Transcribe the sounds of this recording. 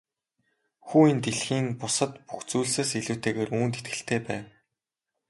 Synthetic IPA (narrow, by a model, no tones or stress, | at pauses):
xuːint̪eɮxiːŋpʊsə̆t̪puxt͡suːɮseːsiɮuːwʰt̪ʰeːɣeːruːnt̪et̪̚ɡɘ̆ɬt̪ʰeːpæːw